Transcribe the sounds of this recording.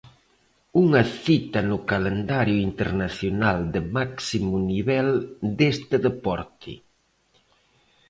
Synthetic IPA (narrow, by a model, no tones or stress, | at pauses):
uŋɐθit̪ɐnʊkalend̪aɾjʊint̪eɾnaθjonald̪emaksimuniβɛld̪est̪eðepɔɾt̪ʰḭ